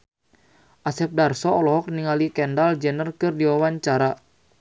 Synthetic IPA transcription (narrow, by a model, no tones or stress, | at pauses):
ʔasɛp̚darsɔɔlɔɦɔk̚niŋalikɛndald͡ʒɛnərkɨrdiwawaɲt͡ʃaɾa